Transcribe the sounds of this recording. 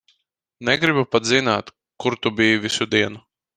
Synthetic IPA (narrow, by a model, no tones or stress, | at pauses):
nɛɡɾibupad̪zinaːt̪ | kuɾt̪ubijuvʲisud̪iɛnu